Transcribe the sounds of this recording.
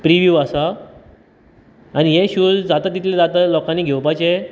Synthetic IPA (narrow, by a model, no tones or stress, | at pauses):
pɾiʋjuːasa | añiɦeɕuːd͡zd͡zat̪at̪ːit̪ljed͡zat̪alɔkaniːɡʱewpajt͡ɕe